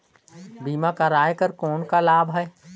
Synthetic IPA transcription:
biːmãkaɾaːjkəɾkoːnkalaːbɦɐe

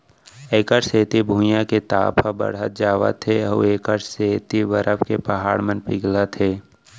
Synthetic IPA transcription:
eːkəɾseːt̪ibʱũːjãket̪a̰ːpʰabə̰ɽət̪̚d͡ʒaːʋə̰t̪ʰeɐṵeːkəɾseːt̪iʋəɾəpkepɐɦaːɽmənpɪɡlat̪ʰeː

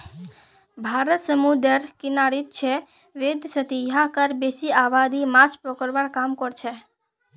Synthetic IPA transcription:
bʱaɾət̪səmud̪əɾkɪnaɽit̪̚t͡ʃʰe | ʋed̪sət̪iɦãkəɾbesiaʋad̪imat͡ʃpɾɔkəɾʋaɽkamkɔɽt͡ʃʰe

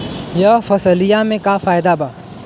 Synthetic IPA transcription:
jɐfɐsəlijamẽkafaːɪd̪abaː

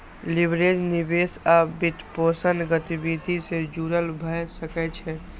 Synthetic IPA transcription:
libɾed͡ʒnibesabit̪posənɡət̪ibid̪ʱisẽd͡ʒuɾəlbʱəsəkɛt͡ʃʰɛ

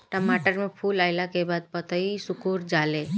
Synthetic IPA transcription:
ʈəmaʈəɾmẽpʰuːlaɪlakebaːd̪̚pət̪əisʊkuɾd͡ʒale

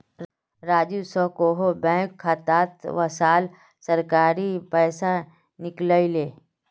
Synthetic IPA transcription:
ɾaːd͡ʒusɔkoɦobɛ̃ːkʰːat̪aːt̪ʋəsaːl | sɐɾkaːɾipɛːsa | nɪkləileː

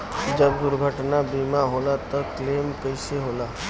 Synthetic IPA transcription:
d͡ʒəbd̪ʊɾɡʱəʈnabiːmaɦoːlat̪ɔkleːmkəɪseɦoːlaː

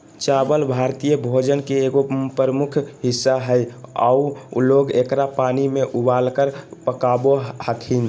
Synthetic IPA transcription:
t͡ʃaːbəlbʱaɾt̪ijəbʱod͡ʒənkeːɡopəɾəmʊkʰɦɪsːaɦəja̰uloɡekɾapaːnimeʔubalkəɾpəkabohəkʰin

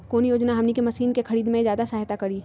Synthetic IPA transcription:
koːnjoːd͡ʒnaɦɐmnikemɐsiːnkexɐɾiːd̪mẽzjaːd̪asaːɦt̪akɐɾi

